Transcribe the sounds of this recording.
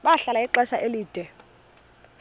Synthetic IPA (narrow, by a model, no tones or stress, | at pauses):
ɓaɬalaiǃɛʃaʔeliːd̥ʱɛ